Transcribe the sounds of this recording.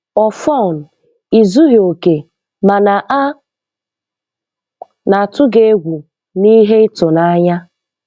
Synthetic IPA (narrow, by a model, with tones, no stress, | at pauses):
ɔ˨fɔ˦˨n̩˨ | i˨zu˦ɦo˨ke˨ | ma˨na˨ʔa˦ | na˨a˨tʊ˦ɡe˦ɡʷu˨ | ni˦ɦe˦ɪ˦tʊ˨na˦ɲa˦